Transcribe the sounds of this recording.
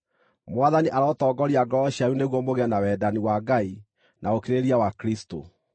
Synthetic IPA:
mwaðaniʔaɾɔːtɔɡɔɾiaɡɔɔɕiaɾuneɣwɔmoɣɛnawɛːdaniwaɡai | naokeɾeɾiawakɾisto̰

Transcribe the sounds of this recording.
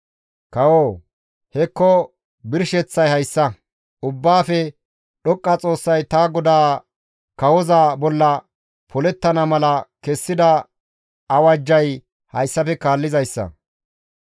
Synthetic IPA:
kɐwoː | hɛkːɔ | bɪɾʃɛt͡sːɐjhɐjsːɐ | ʔʊbːaːfɛ | ɗɔkʼːɐt͡sʼo̞ːsːɐjt̪aːɡɔd̪aː | kɐwɔzabɔlːɐ | pʰɔlɛt̪ːɐnɐmɐlɐkɛsːɪd̪ɐ | ɐwɐd͡ʒːɐj | hɐjsːɐfɛkaːlːɪzɐjsːɐ̰

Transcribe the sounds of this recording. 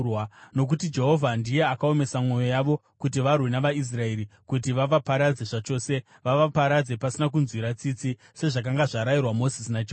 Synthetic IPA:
wano̞k̬utid͡ʒe̞ɦo̞vʱandije̞akao̞me̞samwo̞jo̞jaʋo̞ | kut̬iʋarwinaʋais̬rae̞ɾikut̬iʋaʋapaɾad͡ze̞ʐat͡ʃo̞ːse̞ | ʋaʋapaɾad͡ze̞pasinak̬unzwiɾat͡sit͡si | se̞ʐak̬aŋɡaʐaɾajirwamo̞sisinad͡ʒe

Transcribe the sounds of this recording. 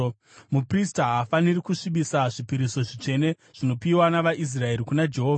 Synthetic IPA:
mupristaɦafanirikuʂiɓisaʐipiɾiso̞ʐit͡ʂe̞ne̞ | ʐ̥ino̞piwanaʋaʔis̬rae̞ɾikunad͡ʒe̞ɦo̞ːvaa

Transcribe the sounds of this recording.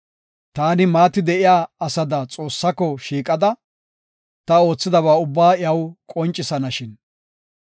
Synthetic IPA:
t̪aːnɪmaːt̪ɪd̪ɛʔɪjaːɐsɐd̪ɐt͡sʼo̞ːsːɐkɔʃiːkʼɐd̪ɐ | t̪ɐo̞ːt͡sːɪd̪ɐβaːʊbːaːjɐwkʼɔnt͡ʃʼːɪsɐnɐʃɪn

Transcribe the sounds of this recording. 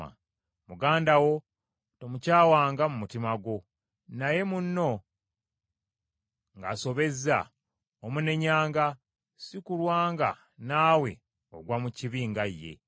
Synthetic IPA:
a̰ | muɡaːndawo̞ | temucaːwaːŋɡamumutimaɡo̞ | naje̞munːo̞ | ŋɡaso̞βe̞za̰ | omune̞ɲaːŋɡa | sikulwaːŋɡa̰ | naːwe̞ | o̞ɡwamuciβiːŋɡaje̞̰

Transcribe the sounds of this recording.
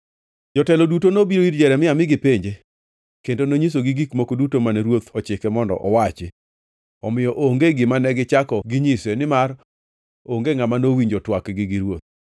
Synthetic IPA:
d͡ʒɔtɛlɔdutonobiɾoiɾd͡ʒɛɾɛmɪamɪɡɪpeɲd͡ʒe | kendonoɲis̬oɡɪɡikmokodutomanɛɾwot̪ɔt͡ʃɪkɛmɔndɔ̰ʔɔwat͡ʃɪ | ɔmɪjɔʔoŋɡeɡɪmanɛɡɪt͡ʃakɔɡɪɲɪsɛnɪmar | oŋɡeŋamanowiɲd͡ʒɔtwakɡɪɡɪɾwot̪̚

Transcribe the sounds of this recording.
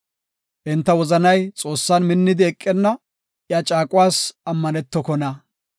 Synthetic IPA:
ʔɪnt̪ːɐwɔzɐnɐjt͡sʼo̞ːsːanmɪnːɪd̪ɪɛkʼːɪnːɐ | jat͡ʃʼaːkʼʊwaːsɐmːɐnɛt̪ːɔkɔnɐ

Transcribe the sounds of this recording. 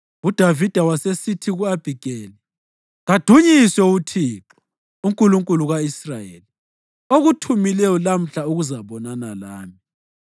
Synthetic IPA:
ud̥ʱavid̥ʱawasesitʰiɣuab̥ʱiɡ̥ʱɛːlɛ | ɣad̥ʱuɲisɛutʰiːǁɔ̥ | uŋkʼuluŋkʼuluɣaisrajḛːli | oɣutʰumilɛɔlam̩ɬauɣuzaβɔnanalaːmi

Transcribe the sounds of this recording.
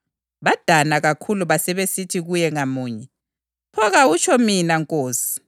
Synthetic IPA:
βad̥ʱanaɣakʰuluβasɛβesitʰiɣujɛŋamuːɲɛ | pʰɔɣaut͡ʃʰʼɔminaŋkʼoːsi̥

